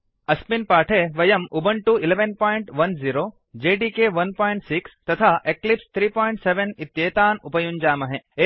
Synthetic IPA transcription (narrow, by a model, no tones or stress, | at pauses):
ɐspinpaːʈʰeʋɐjɐmubɐɳʈuileʋenpoːjɳʈʋɐnziːɾoː | d͡ʒeːɖiːkeʋɐnpoːiɳʈsikst̪ɐt̪ʰaːʔeklipst̪ʰɾiːpoːjɳʈseʋenit̪jeːt̪aːnupɐjund͡ʒaːmɐɦee